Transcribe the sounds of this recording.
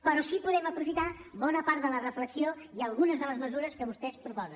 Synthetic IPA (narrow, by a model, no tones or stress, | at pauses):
pəɾɔsipuðɛməpɾufit̪aβɔnəpaɾt̪ðələrəfləksioiəlˠɣunəzðələzməzuɾəskəβust̪ɛspɾupɔzən